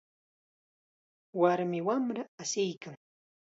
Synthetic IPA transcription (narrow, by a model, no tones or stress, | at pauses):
waɾmɪwamɾaasɪjkaŋ